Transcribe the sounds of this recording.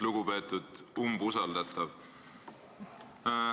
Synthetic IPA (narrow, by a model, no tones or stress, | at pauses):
luɡ̥upe̞ːt̪ːˑud̪̥umbusɑld̪ɑt̪ˑːɑv